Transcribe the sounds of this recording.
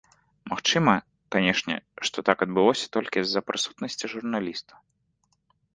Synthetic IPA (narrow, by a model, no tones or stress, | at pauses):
maxt͡ʂɨmɐ | kanʲɛʂnʲɛ̰ʂt̪ɔt̪akɐd̪̚bɨlˠɔsʲɐ̥t̪ɔlʲkʲizɐpɾʔɨsut̪nɐsʲt͡sʲiʐurnalʲist̪ɐ̥